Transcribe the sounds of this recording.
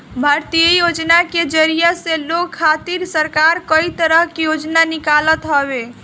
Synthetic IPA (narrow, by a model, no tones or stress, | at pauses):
bʱaɾt̪ijəjod͡ʒnaked͡ʒəɾijaselokʰːat̪iɾsəɾkaɾkəit̪əɾəɦkejod͡ʒnanikalət̪ɦɔβe